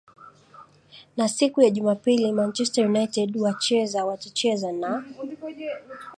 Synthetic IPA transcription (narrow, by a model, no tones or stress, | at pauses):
nasikujaʄumapilimant͡ʃɛstajunajtɛdwat͡ʃɛzawat͡ʃit͡ʃɛzana